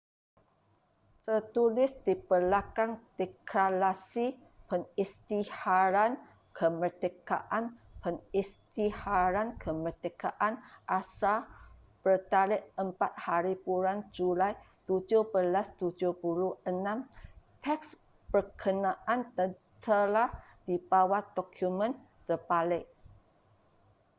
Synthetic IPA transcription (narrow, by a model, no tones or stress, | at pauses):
t̪ərt̪ulɪsdipərlakaŋd̪̥ekalasi | pənist̪ihaɾan | kʰəmərt̪eka̰ʔanpənist̪ihaɾankʰəmərt̪əkaʔanʔasa | b̥ərt̪alɪʔəmpat̪̚haɾipuɾand͡ʒulaj | t̪ud͡ʒʊhbəlast̪ud͡ʒuhpuluhənãmt̪ʰɛks | bərkʰənaʔant̪ə | t̪ʰəlahd̥ibawad̪ɔkʰjumə̃n | t̪ərpalɪʔ